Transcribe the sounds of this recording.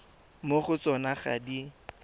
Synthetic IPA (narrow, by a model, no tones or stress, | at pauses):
moχʊt͡sɔnaχa̰di